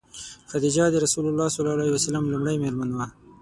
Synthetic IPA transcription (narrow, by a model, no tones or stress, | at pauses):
xad̪id͡ʒɑd̪əɾasulʊlːɑsʊlɑlɑiwasalamlumɽajmelmanwa